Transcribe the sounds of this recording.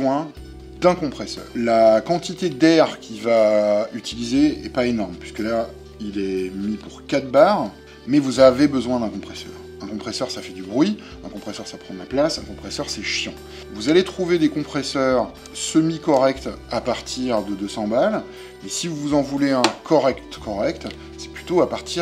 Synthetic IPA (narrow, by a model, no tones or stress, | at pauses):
wɛ̃ | d̪ɛ̃kɔ̃pχɛsœ̰ːʁlakɑ̃t̪it̪ed̪ɛʁkʲʰivayt̪ilizeɛpaenɔʁmpɥiskəla | ilɛmipuʁkat̪̚baːʁ | mɛvuzavebəzwɛ̃d̪ɛ̃kɔ̃pχɛsœ̰ːʁ | ɛ̃kɔ̃pχɛsœʁsafɛd̪ybʁɥi | ɛ̃kɔ̃pχɛsœʁsapχɑ̃d̪laplasɛ̃kɔ̃pχɛsœʁsɛʃjɑ̃ | vuzalet̪χuved̪ekɔ̃pχɛsœʁ | səmikɔʁɛkt̪apaʁt̪ʰiʁd̪əd̪øsɑ̃bal | mɛsivuvuzɑ̃vuleɛ̃kʰɔʁɛkt̪kɔʁɛkt̪ | sɛ̥plyt̪oapaʁt̪i